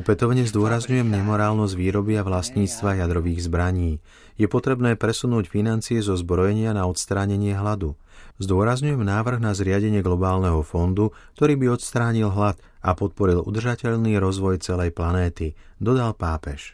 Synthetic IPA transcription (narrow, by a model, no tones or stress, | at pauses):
ɔpɛt̪ɔʊɲɛzd̪ʊɔɾazɲujɛmɲɛmɔɾaːlnɔzɟʋiːɾɔbiaʋlasɲiːt͡st̪ʋajad̪ɾɔʋiːɣzbɾaɲiː | jɛpɔt̪ɾɛbnɛːpɾɛsunuːcfinant͡siɛzɔzbɾɔjɛɲɪanaɔt̪st̪ɾaːɲɛɲɪɛɦlad̪u | zd̪ʊɔɾazɲujɛmnaːʋr̩ɣnazɾɪaɟɛɲɪɛɡlɔbaːlnɛɦɔfɔnd̪u | k̚t̪ɔɾiːbiɔt̪st̪ɾaːɲilɦlat̪ | apɔt̪̚pɔɾilṵd̪r̩ʒacɛʎniːɾɔzʋɔjt͡sɛlɛjplanɛːt̪i | d̪ɔd̪alpaːpɛʃ